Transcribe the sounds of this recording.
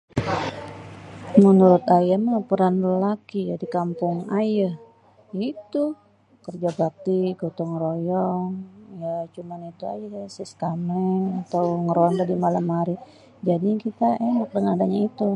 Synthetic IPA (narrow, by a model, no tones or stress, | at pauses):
mənuɾʊt̪ajaməapəɾanrəlakijadikampʊŋajah | jait̪u | kərd͡ʒaɡak̚t̪iɡot̪ɔŋɾojɔŋjat͡ʃumanit̪ua̰jasiskamɛŋat̪awŋəɾoant̪adimalamhaɾi | d͡ʒadikit̪aenak̚dəŋadaɲait̪u